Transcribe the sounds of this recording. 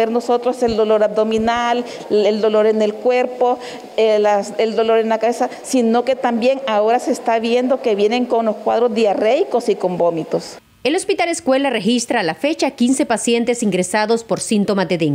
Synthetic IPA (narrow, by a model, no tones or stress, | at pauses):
eɾno̞so̞t̪ɾose̞ld̪o̞lo̞ɾab̚d̪o̞minal | eld̪o̞lo̞ɾene̞lkwe̞ɾpo̞ | laseld̪o̞lo̞ɾenlakaβesasino̞ke̞t̪ambje̞ŋaoɾase̞st̪aβje̞nd̪o̞keβje̞ne̞ŋko̞nlo̞skwað̞ɾozdiarejko̞siko̞mbo̞mit̪o̞s | e̞lo̞spit̪aleskwe̞lare̞xist̪ɾaːlafe̞t͡ʃakinse̞pasje̞nt̪e̞siŋɡɾe̞saðo̞spo̞ɾsint̪o̞mazd̪e̞ðeŋ